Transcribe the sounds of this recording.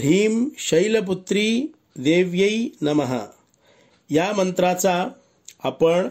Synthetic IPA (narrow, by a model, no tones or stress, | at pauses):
iːmɕɐjlɐp̬ut̪ɾi | d̪eːʋjɐjnɐmɐɦə̰ | jamɐnt̪ɾat͡saː | pəɳ